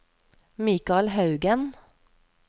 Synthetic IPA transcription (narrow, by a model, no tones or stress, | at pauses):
miːkɑlhɑʉɡən